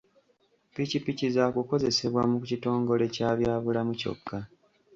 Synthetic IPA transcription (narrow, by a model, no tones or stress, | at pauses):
picipicizakuko̞ze̞se̞βwamukucito̞ːŋɡo̞le̞caːβjaːβulamuco̞̰kːa